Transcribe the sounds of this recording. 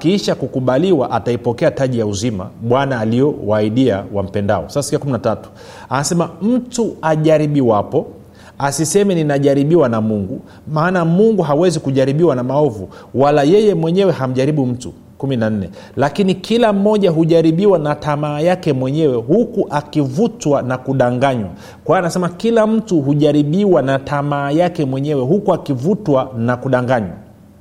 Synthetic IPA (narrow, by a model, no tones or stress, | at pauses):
akiiʃakukuɓaliwaʔataipɔkɛataʄijauzima̰ɓwanaːliɔwaiɗia̰wa̰m̩pɛnda̰ɔ̰sasasiakuminatatu̥ | anasɛmam̩tuaʄaɾiɓiwapɔ | asisɛmɛninaʄaɾiɓiwanamuŋɡu | maːnamuŋɡuɦawɛzikuʄaɾiɓiwanamaɔvu | walajɛjɛmwɛɲɛwɛɦam̩ʄaɾiɓum̩tṵ | kuminan̩nɛ̰ | lakinikʰilam̩ːɔʄaɦuʄaɾiɓiwanatamaːjakɛmwɛɲɛwɛhukuʔakivutwanakuɗaŋɡaɲwa̰ | kwaanasɛmakilam̩tuɦuʄaɾiɓiwanatamaːjakɛmwɛɲɛwɛɦukuakivutwanakuɗaŋɡaɲwa̰